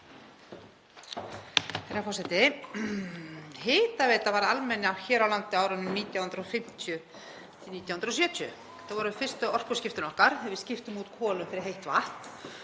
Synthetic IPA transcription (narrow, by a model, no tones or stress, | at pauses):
θɛɾafɔsɛjt̪ɪ | hɪːt̪avɛːt̪avaɾalmɛnːɪawçɛːɾawlant̪ɪaːwɾʏnːʏmniːt̪jawhʏnɾɔfɪm̥t̪ʰjʏ | t̪ʰɪniːt̪jawhnɾɔsjœːt̪ʰjʏ̰ | θaðvɔɾʏfɪr̥st̪ʏɔr̥kʏscɪft̪ʏnɔhkaɾ̥ɛvɪðscɪft̪ʏmut̪kʰɔːlʏmfɪɾɪɦejht̪va̰ht̪